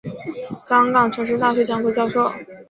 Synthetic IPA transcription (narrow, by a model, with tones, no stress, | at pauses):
ɕɑ˥ŋkɑ˨˩ŋʈ͡ʂʰɤ˧˥ŋʂ̬i˧˥t̪a˥˧ɕ̬ɥɛ˥˩t͡ɕjɑ˧˥ŋku˧˩t͡ɕjɑ˥˧ʊʂo˥˩ʊ